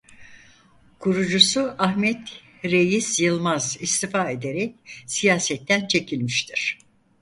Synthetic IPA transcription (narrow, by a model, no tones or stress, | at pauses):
kʰuɾud͡ʒusuahmɛt̪ | ɾe̞jisjɯlˠmazist̪ifaːe̞d̪eɾɛcsijaːsɛt̪ʰːænt͡ʃʰe̞cʰilʲmiʃt̪ʰiɾ̥